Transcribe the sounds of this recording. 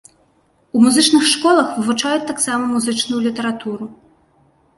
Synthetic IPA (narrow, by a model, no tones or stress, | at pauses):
umuzɨt͡ʂnɨxʂkɔlˠɐxvɨvut͡ʂajut͡sʲt̪ːaksamɐmuzɨt͡ʂnujulʲit̪ɐɾat̪uɾu